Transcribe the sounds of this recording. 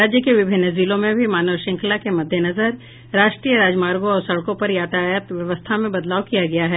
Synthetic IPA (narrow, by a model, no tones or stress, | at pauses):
aːd͡ʒjəkeʋɪbʱɪnːəziːlõmẽbʱimaːnəʋʃɪ̃ŋkʰlakemɐd̪ʱjənɐzəɾ | ɾaːʃʈɾiːjəɾaːd͡ʒmaːɾɡõɔːɾsɐɽkõpɐɾjaːt̪aːjət̪ʋjɐʋəst̪ʰamẽbɐd̪laːwkijaɡɐjaɦɛː